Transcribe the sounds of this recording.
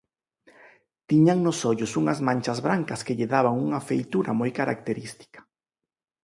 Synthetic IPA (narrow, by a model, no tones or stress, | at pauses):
t̪iɲaŋnʊsɔʎʊsuŋɐzmãnʲt͡ʃazβɾaŋkɐskɪʎɪðaβaŋuŋɐfejt̪uɾɐmojkaɾa̰k̚t̪eɾist̪i̥kḁ